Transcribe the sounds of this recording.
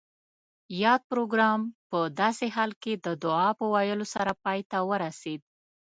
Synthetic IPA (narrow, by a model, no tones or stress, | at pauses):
jɑd̪̚pɾoɡɾɑmpəd̪ɑseɦɑlked̪əd̪ʊɑpəwajəlosaɾapɑjt̪awəɾased̪̚